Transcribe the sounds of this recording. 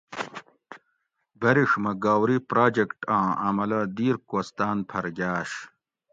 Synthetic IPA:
bɐɾiʂmɐɡaːwɾipɾaːd͡ʑekʈãːɐmɐlɐd̪iːɾkoːst̪aːnpʰɐɾɡʲaːɕ

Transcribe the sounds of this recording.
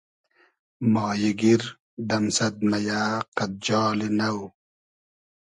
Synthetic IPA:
mɑːjiɡiɾ | d̪ɐmsɐt̪̚mɐjaːqɐt̪̚d͡ʑɑːlinɐw

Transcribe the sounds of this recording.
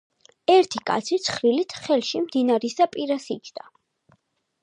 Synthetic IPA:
ɛɾt̪ʰikʼa̰t̪sʰit̪sʰχɾilit̪ʰχɛlˠʃimd̪inaɾisapʼiɾasikʰd̪a

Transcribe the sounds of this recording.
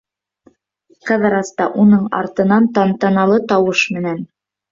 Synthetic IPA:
qɑðɾɑst̪ɑʔunɤɴɑ̰ɾt̪ɤ̆nɑnt̪ɑnt̪ɑnɑlˠɤt̪ɑwɤʃmɘ̆næn

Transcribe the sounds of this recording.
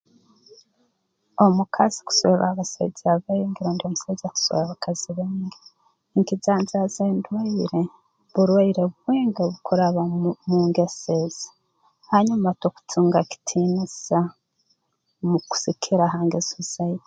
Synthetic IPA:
o̞mukʰazi̥ku̥soβeβaβasḛzaβeiŋɡeɾondiomusaɟaku̥soβaβakʰaziβeːŋɡe | ŋkizaːnzazendwaiɾe | βuɾwaiɾeβuβwiːŋɡeβukuɾaβamuŋɡesez̥i̥ | haɲumatoku̥tʰuːŋɡaki̥tʰiniza | muku̥sikʰiɾaɦaːŋɡezuzaje

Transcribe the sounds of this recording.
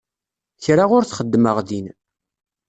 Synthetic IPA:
çɾaʁʊɾθχəd̪ːməʁðin

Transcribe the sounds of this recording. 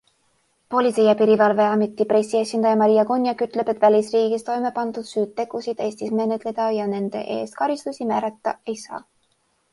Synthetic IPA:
po̞lʲit̪sejɑpiɾivɑlve̞ɑmit̪ˑːipɾesʲːie̞sʲind̪ɑjɑmɑɾijɑkunʲjɑkyt̪ˑle̞bet̪ːˑvælʲisriːɡ̥ist̪o̞jme̞pɑnd̪̥ud̪̥syːt̪ːe̞ɡ̥usid̪̥e̞ːsʲt̪isme̞net̪ˑle̞d̪̥ɑjɑne̞nd̪̥e̞̰ʔe̞̰ːst̪̚kɑɾist̪usʲimæːɾɑt̪ːɑe̞jsɑ̰ː

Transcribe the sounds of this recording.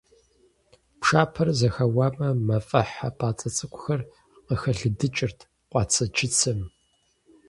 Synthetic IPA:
pʂaːpʰɐrzɐxɐwaːmɐmɐfʼɐħapʰʼaːt͡sʼɐt͡sʼɨkʷʼʊxɐr | qəxɐɮɨdɨt͡ʃʼɪrtʰ | qʷɑːt͡sʰɐt͡ʃʰɪt͡sʰɨm

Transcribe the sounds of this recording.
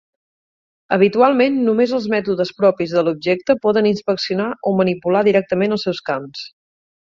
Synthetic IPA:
əβ̞it̪ualˠmenːumezəlˠzmɛt̪uðəspɾɔpizðəlub̚ʒɛk̚t̪əpɔðəninspəksiunaʔomənipulaðiɾɛk̚t̪əmenəlˠsɛwskams

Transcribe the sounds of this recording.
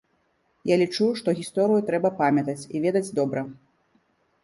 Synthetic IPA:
jalʲit͡ʂuʂt̪ɔɣʲist̪ɔɾɨjut̪ɾɛbɐpamʲɐt̪ɐt͡sʲḭvʲɛd̪ɐd͡zʲd̪ɔbɾɐ

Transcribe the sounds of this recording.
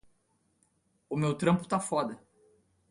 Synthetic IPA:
ʊmewt̪ɾɐ̃mpʊ̥t̪afɔd̪ɐ

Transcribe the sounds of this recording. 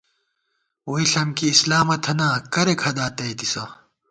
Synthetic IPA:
woiɬɐmkiːslaːmɐt̪ʰɐnaːkɐɾekʰɐd̪aːt̪ɐjt̪isɐ

